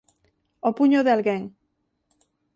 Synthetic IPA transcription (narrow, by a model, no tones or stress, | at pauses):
opuɲoðealɣeŋ